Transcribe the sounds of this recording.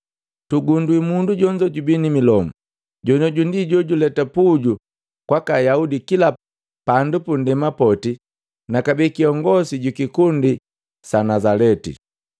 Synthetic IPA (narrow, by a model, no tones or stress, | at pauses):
tuɡundwimunduɟɔɲd͡ʒɔɟubinimilɔmu | ɟɔnɔɟundiɟɔɟulɛtapuɟu | kwakajaudikila | pandupundɛmapɔti | nakabikiɔŋɡɔsiɟukikundi | sanazalɛtḭ